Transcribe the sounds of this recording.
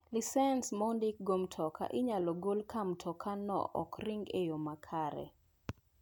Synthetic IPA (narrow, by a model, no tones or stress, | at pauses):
lisɛnsmondik̚ɡomtʰɔkʰa̰ʔɪɲalɔɡolkamtʰɔkʰanɔ̰ʔɔ̰kriŋɡejomakʰaɾɛ̰